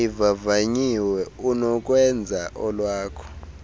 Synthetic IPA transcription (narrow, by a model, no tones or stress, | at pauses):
ivavaɲiwɛunɔk̬ʼwɛnd͡zʱaʔɔlwaːkʰɔ̥